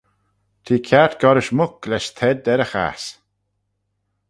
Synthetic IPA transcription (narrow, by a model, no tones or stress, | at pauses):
t̪ʰiːkʰat̪ɡ̥ɔɾɪʃmʊk̚lɛʃt̪ʰɛd̪ɛɾəxa̰s